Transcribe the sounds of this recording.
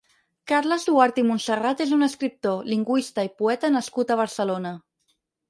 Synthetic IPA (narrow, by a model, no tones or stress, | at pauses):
kaɾləzðuaɾt̪imunsərat̪ezunəskɾip̚t̪oliŋɡwist̪əipuɛt̪ənəskut̪əβ̞əɾsəlonə